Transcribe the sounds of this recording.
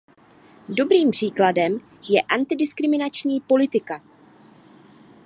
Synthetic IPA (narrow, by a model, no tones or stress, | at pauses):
do̞bɾiːmpr̝̥iːkladɛm | jɛʔant̪ɪdɪskɾɪmɪnat͡ʃɲiːpo̞lɪt̪ɪka